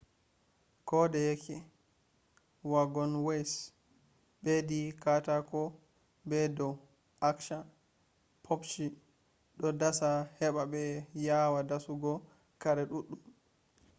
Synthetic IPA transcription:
kɔdɛjɛkʰːɛ | waɡɔnwejs | ɓedikatakɔ | bɛdɔ | akʃa | pʰopt͡ʃi | ɗɔdasahɛɓabɛjawadasuɡɔ | kaɾɛɗuɗːum

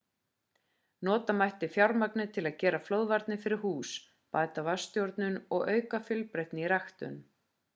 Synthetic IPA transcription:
nɔːt̪amajht̪ɪfjawɾmaknɪt̪ʰɪlaðcɛːɾaflowðvaɾt̪nɪfɪɾɪɾ̥huːs | paːjt̪avast̪jowɾt̪nʏnɔɣœːɥkafʏlpɾejht̪nɪiɾaxt̪ʏ̰n

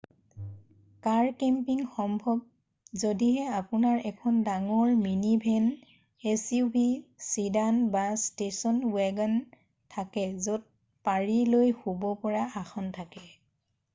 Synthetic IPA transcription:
kaɹkɛmpiŋxɔmbʱɔb̚ | zodiɦɛapʊnaɹɛkʰɔndaŋɔɹminibʱɛn | esjubisidanbastesɔnwɛɡan | tʰakɛzot̚ | paɹilojhobɔpɔɹaʔaxʰɔntʰakɛ

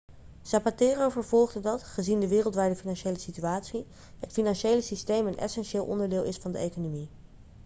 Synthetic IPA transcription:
sapateːrovəɹv̥ɔlˠχdədɑtχəzindəʋɪːrəlˠtʋɛːɹdəfinɑnʃejləsityaːtsi | ətfinɑnʃejləsistejmənʔɛ̰sɛnʃɪːlˠʔɔ̰ndəɹdɪːlˠɪsfɑndə̰ejkonomi

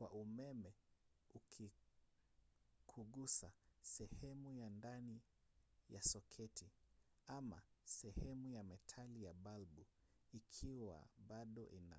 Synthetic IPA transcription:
kwa̰ʔumɛmɛukʰi | kʰuɠusasɛhɛmujandani | jasɔkʰɛtʰiama̰sɛhɛmujamɛtʰalijaɓalbu | ikʰiwa̰ɓaɗɔʔina̰

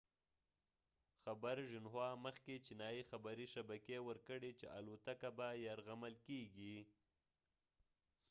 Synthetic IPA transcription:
xabaɾʒɪnwɑməxket͡ʃinɑjixabaɾiʃabakewəɾkəɽet͡ʃḛʔalot̪akabajaɾɣamalkeɡi

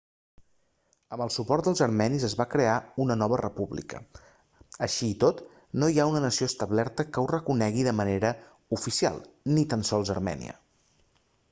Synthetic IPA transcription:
əməlˠsupɔrt̪d̪əlˠzəɾmɛnizəzβakɾeaunənɔβərəpuβlḭkə̰ | əʃiːt̪ot̪ | noiaunənəsioəst̪əβlɛɾt̪əkəwrəkunɛɣiðəməneɾə | ufisia̰lˠnit̪ansɔlˠzə̰ɾmɛ̰nḭə̰

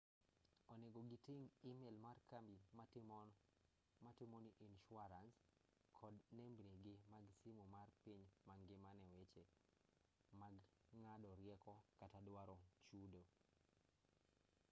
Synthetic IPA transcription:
ɔneɡoɡɪtɪŋimelmarkambi | matɪmoniʔinʃʊaɾans | kʰɔdnembɾeɡɪmaɡsimomarpiɲmaŋɡɪmanɛwet͡ʃe | maɡŋadɔɾjɛkɔkatadwaɾɔt͡ʃudo

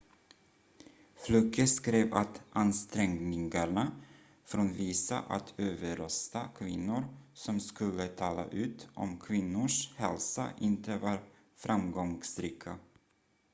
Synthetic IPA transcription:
flɵkːəskɾeːvat̪ʔanst̪ɾɛŋnɪŋaɳa | fɾoːnviːsa̰ʔat̪ʰøːvəɾœst̪akʰvɪnːʊɾsɔmskɵlːət̪ʰɑːla̰ʔʉ̟ːt̪ʔɔ̰mkʰvɪnːʊʂhɛlsa̰ʔɪnt̪əvɑːɾ | fɾʔamɡɔŋsɾiːkʰa

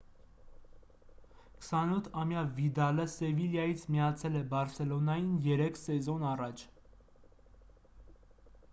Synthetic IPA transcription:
kʰə̥sɑnut̪ʰɑmjɑvid̪ɑləsɛviljɑjit͡sʰmijɑt͡sʰɛlɛbɑɾsɛlɔnɑjinjɛɾɛkʰsɛzɔnɑrɑt͡ʃʰ

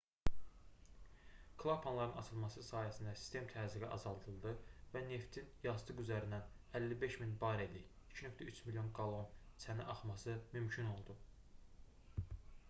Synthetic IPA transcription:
kʰlˠapʰɑnlˠɑɾɯnɑt͡ʃʰɯlˠmɑsɯsɑːjæsind̪æsi̥st̪e̞mt̪ʰæziɡiʔɑzɑlˠd̪ɯlˠd̪ɯvæne̞ft̪ʰinjɑzd̪ɯɡyzæɾind̪æn | ælːibe̞ʃminbɑɾeli | icʰinø̞kt̪æyt͡ʃʰmilijo̞nɡɑlˠo̞nt͡sʰænæʔɑχmɑsɯmymcʰyno̞lˠd̪u

